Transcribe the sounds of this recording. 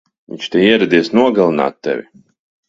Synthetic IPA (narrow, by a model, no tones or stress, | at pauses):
vḭɲʲt͡ʃt̪ʲɛjiɛɾad̪iɛsnuɔɡalˠina̰ːt̪ːɛ̰vʲḭ